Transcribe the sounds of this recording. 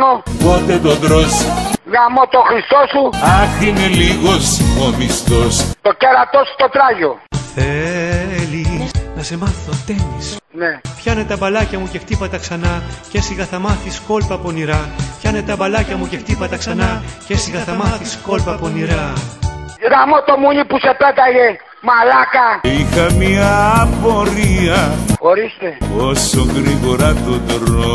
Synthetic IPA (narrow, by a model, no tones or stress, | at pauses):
noɣot̪et̪od̪ɾosɣamot̪oxɾist̪osuɐθineliɣosimomist̪ost̪oceɾɐt̪osu̥t̪ot̪ɾaʝoθe | lisnɐse̞mɐθot̪e̞nisnepçɐnet̪ɐbɐlɐcɐmuce̞xt̪ipɐt̪ɐksɐnɐcesiɣɐθɐmɐθisko̞lpɐponiɾɐpçɐnet̪ɐbɐlɐcɐmuce̞xt̪ipɐt̪ɐksɐnɐcesiɣɐθɐmɐθisko̞lpɐponiɾɐ | ɾamot̪omuɲipusepet̪ɐʝe | malakaixɐmiɐpoɾiɐxo̞ɾist̪eosoŋɡɾiɣo̞ɾɐt̪od̪ɾo